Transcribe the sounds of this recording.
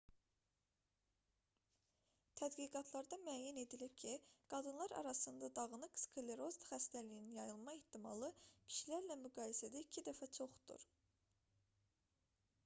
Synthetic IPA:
t̪ʰæd̪ɡiɡɑt̪ʰlˠɑɾd̪ɑmyæjæne̞d̪ilipcʰiɡ̥ɑd̪ɯnlˠɑɾɑ̰ɾɑsɯnd̪ɑd̪ɑɣɯnɯkskʰole̞ɾo̞zd̪χæst̪ælijininjɑjɯlˠmɑeht̪ːimɑ̰lˠɯcʰi̥ʃilæɾlæmyɡɑːjisæd̪æicʰid̪æfæt͡ʃʰo̞χd̪̥ṵɾ

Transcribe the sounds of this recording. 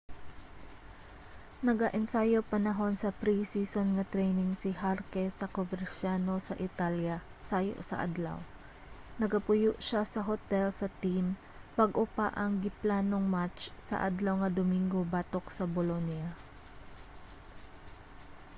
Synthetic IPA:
nɐɡaʔɛnsaːjopɐnɐɦo̞nsɐpɾisisonŋɐt̪ɾɛjnɪŋsɪɦaɾkɛsɐkobɛɾsano̞sɐʔɪt̪aljɐ | saːjo̰ʔsɐ̰ʔa̰d̪lɐ̰w | nɐɡɐpʊjʊʔʃasɐɦot̪ɛlsɐt̪im | pɐɡʔopa̰ʔɐŋɡɪplaːnoŋmat͡ʃsɐ̰ʔa̰d̪lɐwŋɐd̪omiŋɡobat̪o̞ksɐbolonjɐ

